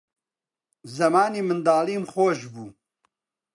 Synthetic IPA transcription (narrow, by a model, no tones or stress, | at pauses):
zɐmaːniːmɨnd̪aːliːmχoːʃbuː